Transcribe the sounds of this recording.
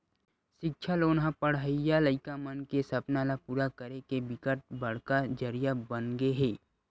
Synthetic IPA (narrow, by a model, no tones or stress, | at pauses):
ʃɪkʃʰaloːnɦãpəɽəjaləɪkamənkesɐpnalapuːɾakəɾekebɪkəʈ̚bɐɽ̤kad͡ʒəɾijabənɡeɦeː